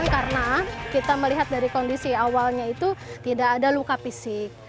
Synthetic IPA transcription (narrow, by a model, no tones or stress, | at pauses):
nkarnakit̪aməliɦat̪̚daɾikondisiawalɲait̪ut̪idakːdalukapisɪk̚